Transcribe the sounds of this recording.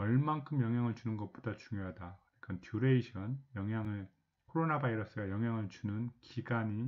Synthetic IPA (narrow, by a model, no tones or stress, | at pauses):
ʌɭmankʰɯmjʌŋɦjaŋɯɭt͡ɕunɯnɡʌt̚p͈odat͡ɕuŋjoɦadakɯɲik͈ʰantʰuɾeiɕʰʌnjʌŋɦjaŋɯɭ | kʰoɾonabaiɾʌs͈ɯɡajʌŋɦjaŋɯɭt͡ɕunɯnkiɡaɲi